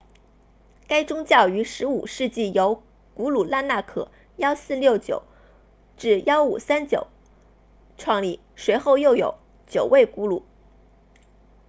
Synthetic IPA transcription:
ka˥ɪʈ͡ʂʊ˥ŋt͡ɕjɑ˥˩ʊy˧˥ʂɻ̩˧˥ṵ˨˩ʂɻ̩˥˧t͡ɕi˥˩jo˧˥ʊ | ku˧˥lu˨˩la˥˧nna˥˩kʰɤ̰˨˩˦ | jɑ˥ʊsɹ̩˥˧ljo˥˩ʊt͡ɕjo̰˨˩˦ʊ | ʈ͡ʂɻ̩˥˩jɑ˥ʊṵ˨˩sa˥nt͡ɕjo̰˨˩˦ʊ | ʈ͡ʂʰwɑ˥˧ŋli˥˩ | ʂwe˧˥ɪxo˥˧ʊjo˥˩ʊjo̰˨˥˦ʊ | t͡ɕjo˨˩ʊwe˥˩ɪku˧˥lṵ˨˩˦

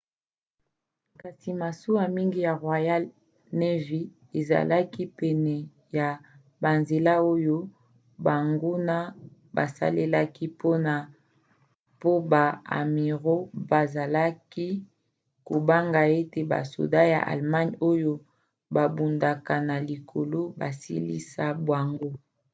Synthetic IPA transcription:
ka˨si˨ma˨su˦a˨mi˦ŋɡi˦ja˨ʁwa˨ja˦l | ne˦vi˦ | e˨za̰˨la˦ki˦pɛ˨nɛ˨ | ja˨ | ba˨nze˨la˦o˦jo˦ | ba˨ŋɡu˦na˦ | ba̰˨sa̰˦le˦la˦ki˦pʰo˦na˨ | po˦ba˨a̰˨mi˨ʁo˦ba˨za˨la˦ki˦ | ko˨ba˦ŋɡa˨e˦te˨ba̰˨so̰˨da˦ja̰˨ʔa̰˨lma˦ɲo˦jo˦ | ba˨bu˨nda˨ka˨na˨li˨kʰo˨lo˦ba˨sḭ˦lḭ˦sa˦bwa˨ŋɡo˦

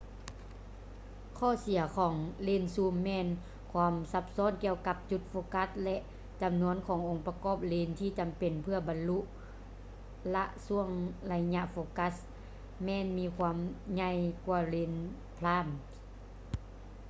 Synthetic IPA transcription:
kʰɔː˧˩˨si˩˦ɐkʰɔː˩˦ŋleː˧˩nsuː˧˩mːɛː˧˨n | kʰwaː˧msa˧p̚sɔː˧˥˨nki˧əwka˧˥p̚t͡ɕu˧˦t̪̚foː˧ka˧˦˥t̚lɛ˧ʔ | t͡ɕa˨mnu˧˥ənkʰɔː˨˦ŋʔo˨˩˨ŋpa˧kɔː˧˥˨p̚leː˧nt̪ʰiː˧˩˨t͡ɕa˨mpe˨˩npʰɯ˧ɐba˨nlu˧˥ʔ | la˧ʔsu˧˥əŋla˧jɲa˧ʔfoː˧˦ka˧˥s | mɛː˧˥nmiː˧˥kʰwaː˧˥˨mɲa˧˩˨jkwaː˧˩leː˧n | pʰlaː˧˥˨n

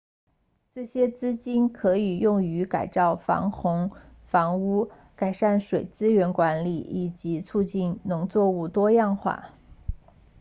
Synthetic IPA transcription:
ʈ͡ʂ̩˥˩ɕjɛ˥t͡sɹ̩˥t͡ɕi˥nkʰɤ˧˥i˨˩jʊ˥˩ŋy˧˥ka˨˩ɪt͡sɑ˥˩ʊfɑ̰˧˥ŋxʊ˧˥ŋ | fɑ˧˥ŋu˥ | ka˨˩ɪʂa˥˩nʂwe˨˩ɪt͡sɹ̩˥ɥɛ˧˥nkwa˧˥nli˨˩i˨˩t͡ɕi˧˥t͡sʰu˥˧t͡ɕi˥˩nnʊ˧˥ŋt͡swɔ˥˧u˥˩t̪wɔ˥jɑ˥˧ŋxwa̰˥˩

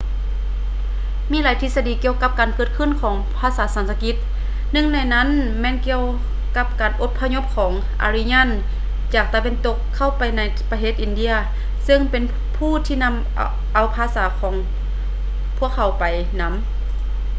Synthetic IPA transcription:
miː˧˥laː˨˦jt̪ʰi˧sa˧diː˨˩ki˧əwka˧˦˥p̚kaː˨˩nkɤː˧t̪̚kʰɯ˧˥˨nkʰɔː˩˦ŋpʰaː˧˩saː˨˩˦saː˨˦nsʰa˧ki˧˦t̪̚ | nɯ˧˨ŋna˧˩jna˧˥˨nmɛː˧˥˨nki˧˨əw | ka˧˥p̚kaː˨˩nʔo˧˥t̪̚pʰa˧ɲo˧˥p̚kʰɔː˩˦ŋ | ʔa̰˨˧ɾi˧˥˨ɲa˧˥˨n | t͡ɕaː˨˩k̚t̪a˧we˧˥nt̪o˧˥kʰːa˧˩wpa˨˩jna˧˥j | pa˧tʰeː˧˥t̪ʔi˨˩ndi˧˥ɐ | sɯ˧˨ŋpe˨n | pʰuː˧˥˨t̪ʰiː˧na˧˥˨m | ʔa˨˩wpʰaː˧˥saː˨˩˦kʰɔː˩˦ŋ | pʰu˧˥˩ək̚ʰːa˨˧˩wpa˨j | na˧˥m

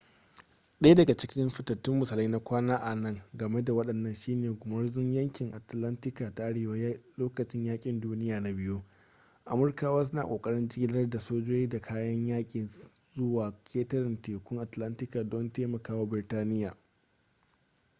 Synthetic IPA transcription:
ɗɐ˦ja˦dɐ˨ɡa˨t͡ʃɪ˦kʲɪ˦mɸɪ˨tɐ˨tːɪ˦mːʊ˨sa˨lɐ˦na˦kʷaː˦naː˦ʔa˨nɐ˦˨ŋɡɐ˨me˦da˨wɐ˦ɗɐ˨nːɐ˦nʃiː˦neː˨ɡʷʊ˨mɐ˦rzɪ˦ɲjɐ˦ŋkʲɪ˨ŋʔa˨tlɐ˦ntɪ˦kaː˨ta˦ʔa˦ɽeː˨wa˦loː˦kɐ˨t͡ʃɪ˦ɲjaː˦kʲʼɪ˨nduː˦nɪ˦jaː˨na˨bɪ˦juː˦ | ʔa˨mʊ˨˦rkaː˦waː˦s̬ʊ˦na̰ː˨kʼoː˨kʼɐ˦ɽɪ˦nd͡ʒɪ˦ɡʲɪ˦nɐ˦rda˨soː˦d͡ʒoː˦jiː˦da˨kʰaː˦jɐ˦ɲjaː˦kʲʼiː˨zʊ˦waː˨kʲʰeː˦tɐ˦ɾɪ˨nteː˨kʷʊ˦ŋʔa˨tlɐ˦ntɪ˦kaː˨dɔ˦nteː˦mɐ˨kaː˦waː˦bɪ˨rtaː˦nɪ˦jaː˨

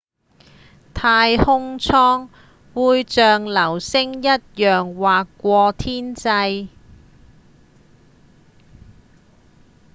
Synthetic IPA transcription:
t̪ʰaː˧jhʊ˥ŋt͡sʰɔː˥ŋ | wuː˨˧jt͡ʃœː˨ŋlɐ˨˩wsɪ˥ŋjɐ˥t̚jœː˨ŋwaː˨kːʷɔː˧t̪ʰiː˥nt͡sɐ˧j

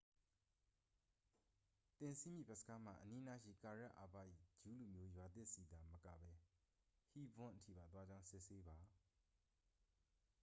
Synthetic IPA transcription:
t̪ɪ̃˨nsʰi˦mjḭ˦˨bɛ˦ʔsə̥˨kʰa˦m̥a̰˦˨ʔəni˦na˦ʃḭ˦˨ka˨ɹa˦ʔa˨pa̰˦˨ʔḭ˦˨d͡ʑu˨˦lu˨mjo˦jwa˨t̪ɪ˦ʔsi˨d̪a˨məka̰˦˨bɛ˦ | hi˦bʊ̃˦nʔətʰḭ˦˨ba˨t̪wa˦d͡ʑã˦ʊ̃sɪ˦ʔse˦ba˨

